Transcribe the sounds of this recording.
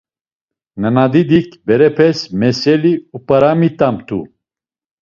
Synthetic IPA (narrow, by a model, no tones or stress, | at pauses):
nənad̪id̪ikʰbɛɾɛpʰɛsmɛsɛliupʼəɾamit̪ʼamt̪ʰṵ